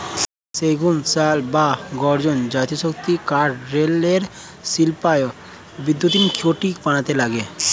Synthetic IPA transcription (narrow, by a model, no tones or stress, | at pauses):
seɡunsalbaɡɔɾd͡ʑond͡ʑat̪ioʃokt̪ikaʈɾeleɾ | silpajo | bid̪jot̪imkioʈikpaɽ̃at̪elaɡe